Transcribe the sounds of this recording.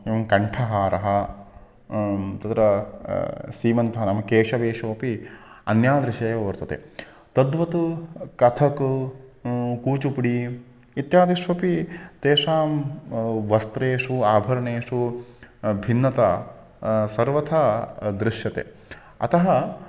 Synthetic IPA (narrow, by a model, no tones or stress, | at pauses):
iɐŋkɐɳʈʰɐɦaːɾɐɦɐ | t̪ɐt̪ɾɐ | siːmɐnt̪ɐɦɐnɐmɐkeːʂɐʋeːʂɐʋɐpiɐ̰njaːd̪ɾɪʃeːʋɐʋɐɾt̪ɐt̪ḛ | t̪ɐd̪ʋɐt̪ukɐt̪ʰɐk | kuːt͡ʃupɽi | it̪jaːd̪iʂʋɐpit̪eːʂaːm | ʋɐst̪ɾeːʂuaːbʱɐɾɐɳeːʂu | bʱinːɐt̪aː | sɐɾʋɐt̪ʰaːd̪ɾɪʂjɐt̪ḛ | ɐ̰t̪ɐɦɐ